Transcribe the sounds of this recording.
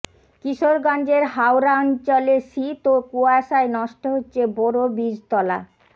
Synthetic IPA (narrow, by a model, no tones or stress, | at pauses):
kiʃoɾɡɔnd͡ʑeɾɦawɾaɔnt͡ɕoleʃit̪okuaʃaenɔʃʈoɦotːɕʰebɔɾobid͡ʑt̪ɔla̰